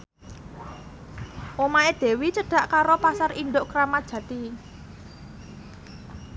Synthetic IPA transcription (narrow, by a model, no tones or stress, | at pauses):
ʔomaed̪̥e̤wit͡ʃəɖ̥a̤ʔkaɾopasarinɖ̪oʔkɾamad̥ʒ̥ä̤t̪i